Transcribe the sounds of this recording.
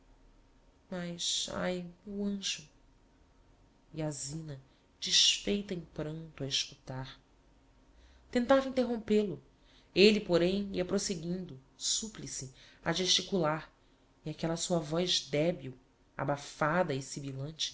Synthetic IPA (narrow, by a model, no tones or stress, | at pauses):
mɐʃa̰juɐ̃ʒʊ | iazĩnɐ | d͡ʒiʃfejt̪ɐẽpɾɐ̃nt̪ʊɐiʃkut̪aɾ | t̪ẽnt̪avɐĩt̪eɦõmpelʊ | elipoɾẽj̃iɐpɾoseɡĩnd̪ʊ | suplisiaʒeʃt͡ʃikulaɾ | iakɛlɐsuɐvɔjzd̪ɛbiw | a̰bafad̪ɐisibilɐ̃nt͡ʃɪ̥